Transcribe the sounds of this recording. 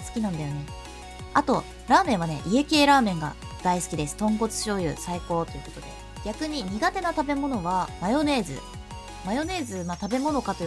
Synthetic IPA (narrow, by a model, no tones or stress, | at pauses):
sɨ̥kʲinãnd̪ajo̞ne̞ | at̪o̞ | ɾaːmẽ̞ɰ̃β̞ane̞̰ʔie̞ke̞ːɾaːmẽ̞ŋɡa̰ | d̪̥aisɨ̥kʲid̪e̞sɨ̥t̪õ̞ŋko̞t͡sɨ̥ɕo̞ːjɯ̟̰ːsaiko̞ːt̪o̞jɯ̟ko̞̥t̪o̞d̪e̞̰ | ɡʲakɯ̟ɲ̟iɲ̟iɡat̪e̞nat̪abe̞mo̞no̞β̞amajo̞ne̞ːzɨ̰ | majo̞ne̞ːzɨmat̪abe̞mo̞no̞kat̪o̞j